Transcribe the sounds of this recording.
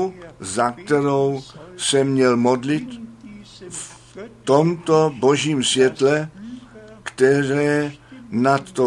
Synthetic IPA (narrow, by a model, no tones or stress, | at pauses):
zak̚t̪ɛɾowsɛmɲɛlmod̪lɪt̪ | f | t̪omt̪oboʒiːmsvʲjɛt̪lɛ | kt̪ɛɾɛːnat̪ːo